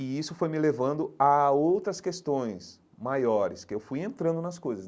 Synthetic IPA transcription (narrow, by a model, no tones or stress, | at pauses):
ɪisʊfojmɪlevɐ̃nd̪ʊaowt̪ɾɐskest̪õj̃s | majɔɾɪskɪewfujẽnt̪ɾɐ̃nd̪ʊnɐskojzɐs